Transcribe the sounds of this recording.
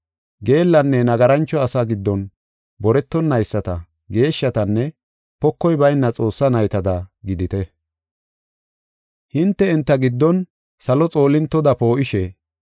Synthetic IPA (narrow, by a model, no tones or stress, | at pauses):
ɡe̞ːlːɐnːɛnɐɡɐɾɐnt͡ʃːɔɐsaɡɪd̪ːɔn | bɔɾɛt̪ːɔnːɐjsːɐt̪ɐ̰ | ɡe̞ːʃːɐt̪ɐnːɛ | pɔkːɔjbɐjnːɐt͡sʼo̞ːsːɐnɐjt̪ɐd̪ɐɡɪd̪ɪt̪ɛ | hɪnt̪ːɛɪnt̪ːɐɡɪd̪ːɔn | sɐlɔt͡sʼo̞ːlɪnt̪ːɔd̪ɐpo̞ːʔɪʃɛ